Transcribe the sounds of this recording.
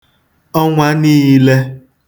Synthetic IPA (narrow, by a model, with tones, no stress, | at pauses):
ɔ˦ŋʷa˦niː˦le˦